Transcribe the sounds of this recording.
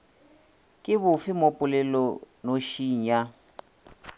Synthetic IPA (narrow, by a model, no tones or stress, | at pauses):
kʼɪβʊfɪmopʼʊlɛlɔ | noʃiŋ̩ja